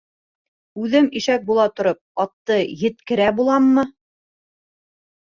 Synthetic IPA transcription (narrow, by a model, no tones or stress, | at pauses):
ʉðɘmiʃæk̚bulˠɑt̪ŏɾɤp̚ɑt̪ːɤjɘ̆t̪kɘ̆ɾæbulˠɑmːɤ